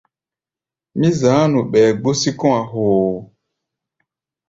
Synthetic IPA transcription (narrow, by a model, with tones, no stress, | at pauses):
mĩ˦zãː˨˦nũ˨ɓɛː˨ɡ͡bo˦si˦kɔ̃˦a˨ɦoː˨